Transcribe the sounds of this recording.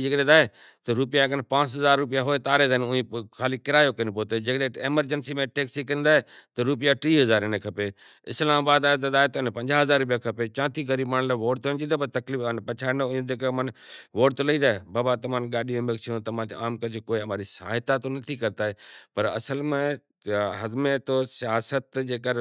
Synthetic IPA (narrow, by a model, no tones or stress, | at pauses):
d͡ʒekɗed̪aːɦe | t̪ɐɾʊpijakənpãːt͡ʃɦɐzaːɾːʊp̬ijaɦoet̪aːɾet̪ːnʊ̃ĩkʰaːlikɪɾaːjokɐnpoːt̪ed͡ʒekɗeeːməɾd͡ʒənsimẽʈeːksikəɪ̃nd̪aːɦet̪ɐɾʊp̬ɪjaʈɾiːɦɐzaːɾɪnẽkʰɐpe | ɪ̰slaːmabaːd̪aːet̪ɐd̪aːɦet̪ɐɪnpɐ̃ɲd͡ʒaːɦɐzaːɾːʊp̬ijakʰɐpet͡ʃãːt̪ʰiɡɐɾiːbmaɽ̃laːʋoːʈ̚t̪ond͡ʒ̪id̪opɐɾt̪ɐkliːfənpɐt͡ʃʰaːnʊ̃ẽd̪eːkmənʋoːʈt̪olɐĩd̪aːɦebaːbat̪ɐm̤ãːnɡaːɗiẽbekt͡ʃʰijõt̪ɐm̤ãːt̪eaːmkɐd͡ʒkoːiɦɐmaːɾisa̰ːɦɪt̪at̪onɐt̪ʰikɐɾt̪aːɦepɐɾɐ̰səlmẽ | ɦɐd̪mẽt̪osɪjaːsət̪d͡ʒeːkəɾ